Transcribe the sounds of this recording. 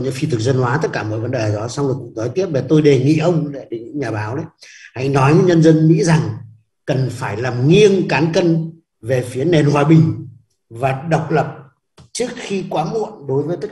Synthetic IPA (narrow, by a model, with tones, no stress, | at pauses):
ɲɨ̰˧˥ŋfi˧t̪ʰɨ˨˩k̚zə˧nhwaː˨˦t̪ə˦˥t̚kaː˧˩mɔ̰˧˨jvə˨˦nɗe˨˩˨ɗɔ˨˦sa˧wŋ͡mlɨ˨˩k̚ʊ̰˧˥t̪ɔ˨˦jt̪i˦˥əp̚ma˨˩t̪o˧jɗe˨˩ŋḭ˧˨ʔə˧wŋ͡mɗe˧˩ɗe˨˩ɲɨ̰˧˥ŋɲaː˨˩ɓaː˨˦wɗə˨˦jha̰˧˥˨jnɔ˨˦jɲɨ̰˧˥ɲə˧nzə˧nmḭ˧˥za˨˩ŋ | kə˨˩nfaː˧˩jlaː˨˩mŋi˧əŋkaː˨˦nkə˧n | ve˨˩fi˨˦əne˨˩nhwaː˨˩ɓï˨˩ŋ̟ | vaː˨˩ɗə˨˩wk͡p̚lə˨˩p̚ | t͡ɕɨ˦˥ək̚xi˧kwaː˨˦mṵ˧˨ənɗo˨˦jvəː˨˦jt̪ə˦˥